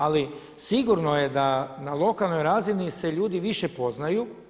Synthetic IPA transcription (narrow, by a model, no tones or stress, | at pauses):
ali | siɡuɾno̞je̞d̪analˠo̞kalˠno̞jɾaːzinise̞ʎuːd̪iʋiʃe̞po̞znaju